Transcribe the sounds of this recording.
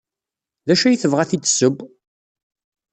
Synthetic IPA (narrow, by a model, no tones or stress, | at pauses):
ðæʃæjəθəvʁæθit͡sːsəb